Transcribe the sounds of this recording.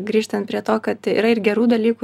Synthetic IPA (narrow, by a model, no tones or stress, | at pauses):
ɡɾʲiːʃt̪ɐnt̪̚pʲɾʲiɛt̪oːkɐt̪ḭːɾɐɪɾɡʲɛɾuːd̪ɐlʲiːku